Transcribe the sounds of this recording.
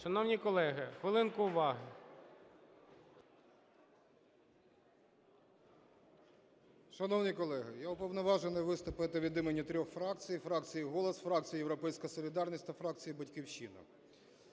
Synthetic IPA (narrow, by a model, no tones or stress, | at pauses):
ʃɐnɔwnʲikɔlˠɛɦɪxʋelˠɪnkʊʊʋɑɦɪ | ʃɐnɔwnʲikɔlˠɛɦɪjaʊpɔwnɔʋɑʒenɪjʋɪst̪ʊpɪt̪ɪʋʲid̪ɪmenʲːit̪ɾʲɔxfɾɑk̚t͡sʲijfɾɑkt͡sʲijiɦɔlˠɔsfɾɑk̚t͡sʲijijewɾɔpɛjsʲkɐsɔlʲid̪ɑrnʲisʲt̪ʲɐfɾɑk̚t͡sʲijibɐtʲkʲiwʃinɐ̰